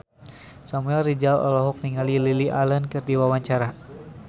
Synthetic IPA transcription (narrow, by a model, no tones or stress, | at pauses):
samuɛlrid͡ʒalɔ̰lɔɦɔk̚niŋalililiʔalankɨrdiwawaɲt͡ʃaɾa